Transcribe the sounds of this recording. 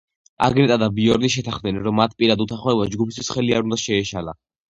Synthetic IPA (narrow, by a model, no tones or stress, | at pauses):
a̰ɡnɛt̪ʼad̪abiɔɾniʃɛt̪ʰaχmd̪ɛnɛɾɔmːat̪ʰpʼiɾad̪ut̪ʰaχɔɛbasd͡ʒɡupʰist̪ʰwi̥sχɛliaɾund̪aʃɛːʃala̰